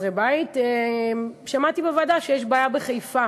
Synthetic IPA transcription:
ʁebajit̪e | ʃamat̪ibevadaʃejeʃbaːjabeχajfa

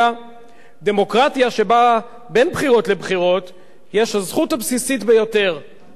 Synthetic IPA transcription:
a | d̪e̞mo̞kʁat̪jaʃe̞ba | be̞nbχiʁo̞tle̞bχiʁo̞t̪ | je̞ʃhazχuthabsisitbejo̞te̞ʁ

